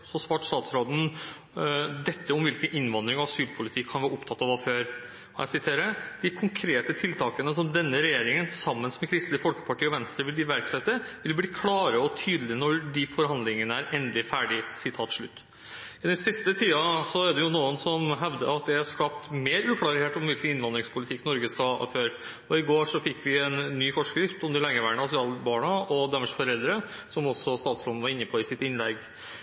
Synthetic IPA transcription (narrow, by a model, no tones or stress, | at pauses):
sɔsʋɑːʈst̪ɑːt̪sɾoːd̪n̩ | d̪ɛt̪ːəɔmʋɪlkənɪnʋɑnd̪ɾɪŋɑʋɑsyːlpʰʊlɪt̪ʰɪkʰːɑnʋɑːɾɔpt̪ʰɑt̪ːɑʋɑʋføːɾ | ɔjæ̰ɪsɪt̪ʰeːɾəd̪̥ɪkʰʊŋkʰɾeːt̪ət̪ʰɪlt̪ʰɑːkənəsɔmd̪ɛnːəɾɛjeːɾɪŋənsɑmːənsmɛkʰɾɪst̪lɪfɔlkə̥pʰɑʈʰiːɔʋɛnst̪əɾʋɪld̪ɪʋæɾksɛt̪ːəʋɪlbliːkʰlɑːɾəɔt̪ʰyːd̪lɪnɔɖɪfɔɾhɑnd̪lɪŋənəæɾʔɛnd̪lɪfæːɖɪsɪt̪ʰɑːt̪ʂɭʉt̪ː | ɪd̪ɛnsɪst̪ət̪ʰiːɑsɔæɖ̪ɛjʊnuːənsɔmɦɛʋd̪ə̰ɑt̪̚d̪ɛhæʂkɑːp̚t̪meːɾʉːkʰlɑɾheːʈɔmʋɪlkənɪnʋɑnd̪ɾɪŋspʰʊlɪt̪ʰɪkːnɔɾɡəskɑ̰føːɾ | ɔɪɡoːʂɔfɪkːʋɪɛnːyːfɔʂkɾɪft̪ʊmd̪ɪlɛŋːəʋæːɳəɑsɪɑːlbɑːɳɑɔd̪æməʂfɔɾɛld̪ɾə | sɔmɔsːɔst̪ɑːt̪slɔn̩ːʋɑɾɪnːəpʰɔɪsɪt̪ɪnlɛɡ